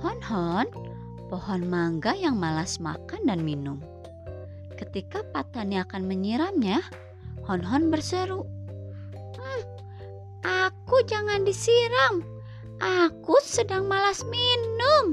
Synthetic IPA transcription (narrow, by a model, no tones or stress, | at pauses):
hɔnhɔn | pɔhɔnmaŋɡajaŋmalasma̰kandanminʊm | kət̪ikapat̪aniakanməɲiɾamɲa | hɔnɦɔnbərsəɾu | əh | ʔakud͡ʒaŋandisiɾaŋ | ʔakusədaŋmalasminʊm